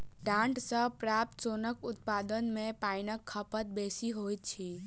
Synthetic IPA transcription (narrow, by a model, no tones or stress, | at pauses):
ɖãɳʈsəpɾap̚t̪sonəkʊt̪̚pad̪ənmẽpainəkʰːəpət̪̚besiɦojt̪̚t͡ʃʰi